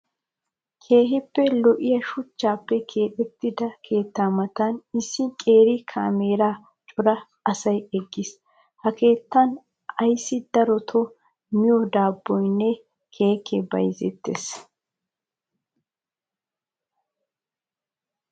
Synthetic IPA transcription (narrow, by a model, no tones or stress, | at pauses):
kʰe̞ːɦɪpːɛlɔʔɪjɐʃʊt͡ʃːaːpːɛkʰe̞ːtɛt̪ːɪd̪ɐkʰe̞ːt̪ːaːmɐt̪ɐnɪsːɪkʼe̞ːɾɪkʰaːmeːɾaː | t͡ʃʼʊɾɐ | ɐsɐjɛɡːɪs | hɐke̞ːt̪ːɐn | ɐjsːɪd̪ɐɾɔt̪ʰɔ | mɪjɔd̪aːbːɔjnːɛ | kʰe̞ːkʰːɛbɐjzɛ̰t̪ːḛs